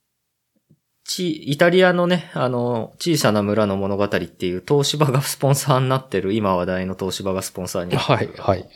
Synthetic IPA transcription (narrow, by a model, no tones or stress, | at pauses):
t͡ɕiːit̪aɾʲiano̞ne̞ano̞t͡ɕiːsanamɯ̟ɾano̞mo̞no̞ɡat̪aɾʲit̪ːe̞jɯ̟ːt̪o̞ːɕibaɡasɨ̥põ̞ɰ̃saːnːat̪ːe̞ɾɯ̟imaβad̪aino̞t̪o̞ːɕibaɡasɨ̥põ̞saːɲ̟iaihai